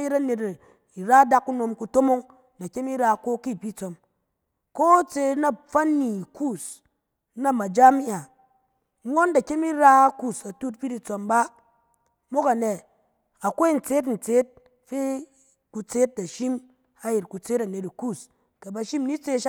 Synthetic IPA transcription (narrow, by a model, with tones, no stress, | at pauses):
ji˦tɐ˦ne˧˨t | i˨ɾa˦da˦kːu˦no˧mku˧to˦mo˦ŋ | da˨kʲe˦mi˦ɾa˧˨ko˦ki˦˨pi˦t͡so˨m | ko˦t͡se˧na˨p͡fa˦nːi˨ku˦˨s | na˦ma˨d͡ʒa˦mi˦ʔa˨˦ | ŋo˦nda˨kʲe˦mi˦ɾa˦ku˨sa˨tu˦t̚pi˦di˨t͡so˧mba˦ | mo˦ka˨ne˨ | a˨kʷo˦i˦˨n̩˨t͡se˦t̬n̩˨t͡se˦t̚ | fe˦ | ku˧t͡se˦t̚da˨ʃi˦m | a˨ji˨tku˨t͡se˦tɐ˨ne˨ti˨ku˦˨s | ka˨ba˨ʃi˦mni˦t͡se˧ʃ